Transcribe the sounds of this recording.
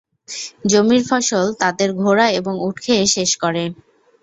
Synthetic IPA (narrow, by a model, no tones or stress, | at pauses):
d͡ʑomiɾfɔʃolt̪ad̪eɾɡʱoɾaeboŋuʈkʰeʃeʃkɔɾe